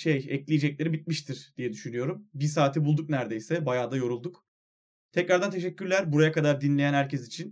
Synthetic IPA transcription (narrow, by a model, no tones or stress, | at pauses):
ʃejɛclʲijed͡ʒɛc̚lʲe̞ɾibit̪̚miʃt̪ʰiɾd̪̥ijɛd̪yʃynyjo̞ɾumbisaːt̪ʰibulˠd̪uk̚næɾd̪ejsɛbajaːd̪ajo̞ɾulˠd̪uk | t̪ʰɛcɾaɾd̪ant̪ʰeʃɛcːyɾlʲæɾbuɾajakad̪aɾd̪inlʲejænhæɾcɛsit͡ʃʰin